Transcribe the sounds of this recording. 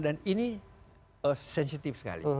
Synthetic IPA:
danini | əsɛnsit̪ifsə̥ka̰lḭ

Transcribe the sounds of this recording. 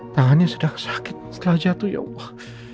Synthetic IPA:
t̪aŋanɲasudahsḁkɪt̪̚st̪əlahd͡ʒat̪uja̰ah

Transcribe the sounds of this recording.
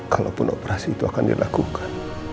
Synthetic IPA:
kalo̰pʊnopɾasiːt̪uakandḭlʔakukʰḁn

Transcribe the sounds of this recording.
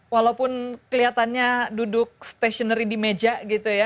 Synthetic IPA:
walapʊnkəliat̪anɲadudʊk̚st̪asiɔnaɾidimed͡ʒaɡit̪uja

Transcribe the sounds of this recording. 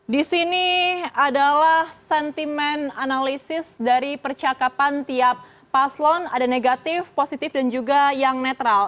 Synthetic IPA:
disiniadalahsɛnt̪imɛnanalisɪsdaɾipərt͡ʃakapant̪iap̚ː | aslɔnadaneɡat̪ɪfposit̪ɪfdand͡ʒuɡajaŋnɛt̪ɾal

